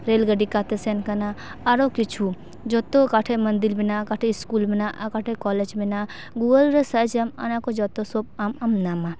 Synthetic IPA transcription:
ɾeːlɡɐɖikat̪esenkɐnaaɾokit͡ʃʰu | d͡ʒot̪okaʈʰemɐnd̪ilbinakaʈʰeiskuːlbinaʔakaʈʰekɔːled͡ʒbinaː | ɡuːɡəlɾɐsɐd͡ʒɐma̰nakod͡ʒɔt̪osoːp̚amɐmnama

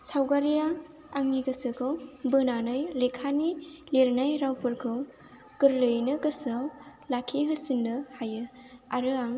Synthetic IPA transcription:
sawɡaɾijaː | ŋːikɯsɯkʰɯwbɯnanɯjlekʰanileɾnajɾawpʰɯɾkʰɯw | kɯɾlɯjnɯkɯsɯwlakʰːiɦɯsinːɯhajɯaɾɯaŋ

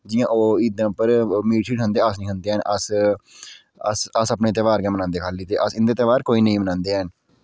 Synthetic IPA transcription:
d͡ʒɪjãːʔoːiːd̪ãːpəɾmiːʈʰiːʈə̃nd̪eːəsnĩːɦənd̪eːənʔəs | əsəsəpneːt̪eːʋaːɾkɛ̃ːmənãːnd̪eːkʰaːliːt̪eːʔəsɪnd̪eːt̪eːʋaːɾkoːiːnəĩːmənãːnd̪eːɦn

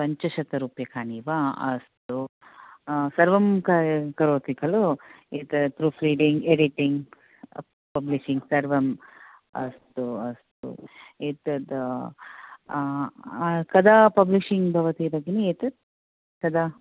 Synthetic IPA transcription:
pɐɲt͡ʃɐʃɐt̪ɐɾuːpjɐkʰaːniːʋaɐ̰st̪u | sɐɾʋɐmkɐkɐɾoːt̪ikɐlu | eːt̪ɐt̪ɾupʰɾiːɖiŋɡeɖiʈiŋɡ | pɐbliʃiŋɡsɐɾʋɐm | ɐ̰st̪uɐst̪ṵeːt̪ɐd̪ | kɐd̪aːpɐbliʃiŋɡbʱɐʋɐt̪ibɐɡːeneeːt̪ɐd̪̚ | kɐd̪a

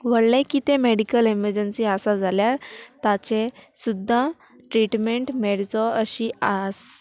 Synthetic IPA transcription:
ʋəɽlẽkit̪emeɽikəleməɾd͡ʑənsiəsad͡zʱaljaɾt̪at͡ɕesud̪ʱːa | ʈɾiʈmeɳʈmeɽd͡zɔəɕias

